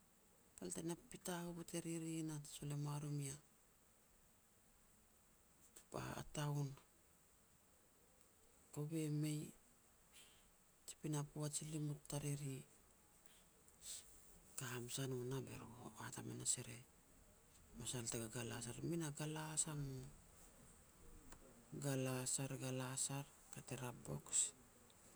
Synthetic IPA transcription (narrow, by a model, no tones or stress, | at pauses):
taltajnapitaopoteɾiɾinaso̞le̞maɾomia | pa̰a̰taun | koβe̞mej | t͡ʃi̥pinapuat͡ʃilimutːaɾeɾi | kaːmsanunabe̞̰ɾɡoatamḛnaseɾe̞ | masaltaɡaɡalasaɾminaɡalasamu | ɡalasaɾɡalasaɾ | kateɾabo̞̰ks